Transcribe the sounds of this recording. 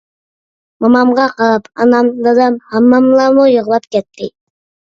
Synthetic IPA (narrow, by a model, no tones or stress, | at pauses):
mɑmɑmʁɑqɑɾɑpɑ̰nɑmd̪ɑd̪ɑmhɑmːɑmlˠɑmojəʁlˠɑp̚kʲet̪ːɪ